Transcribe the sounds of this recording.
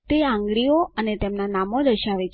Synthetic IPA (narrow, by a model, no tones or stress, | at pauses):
t̪eãŋɡɭioənet̪emnanamod̪əʃaʋet͡ʃʰ